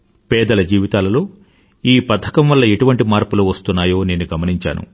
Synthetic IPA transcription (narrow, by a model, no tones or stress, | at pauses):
pɛːd̪ɐlɐd͡ʒiːʋit̪aːlɐloː | iːpɐd̪ʰːɐkɐmʋɐlːɐeʈuʋɐɳʈimaːɾpuluʋɐst̪unːaːjo̞ːne̞ːnuɡɐmɐniɲt͡ʃa̰ːnṵ